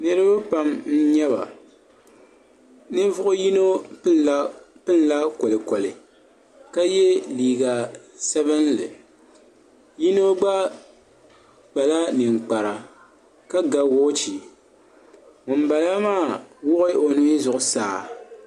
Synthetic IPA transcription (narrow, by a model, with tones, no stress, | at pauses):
nɨ˨ɾɨ˦ba˦pa˨mn̩˦ɲɛ˦βa̰˨ | nɨ˦vʊ˦ʔʊ˦ji˦no˦ | pɨ˦n˦la˦ko˨lɨ˨ko˨lɪ˨ | ka˦jɛ˦liː˨ɡa˨sɛ˦bɨ˦nlɨ˨ | ji˦no˦ɡ͡ba˦ | k͡pa˨la˦nɨ˨ŋ͡mk͡pa˨ɾa˨ | ka˦ɡa˨wo˦t͡ʃi˨ | ŋʊ˨m˦ba˨la˦maː˦˨wʊ˦ʔɪ˦o˨nu˦zʊ˨ʔʊ˨saː˨